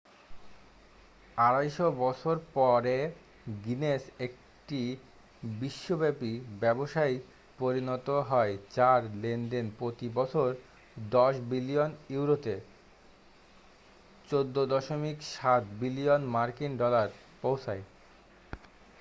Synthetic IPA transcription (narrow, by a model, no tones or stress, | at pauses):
aɾajʃobɔt͡ɕʰoɾpɔɾe | ɡinesek̚ | ʈi | biʃːobɛpibɛboʃaj | poɾinɔt̪oɦɔed͡ʑaɾlenɖenpɾot̪ibɔt͡ɕʰoɾ | d̪ɔʃbilijoniuɾot̪e | t͡ɕod̪ːod̪ɔʃomikʃat̪bilionmaɾkinɖɔlaɾ | powt͡ɕʰae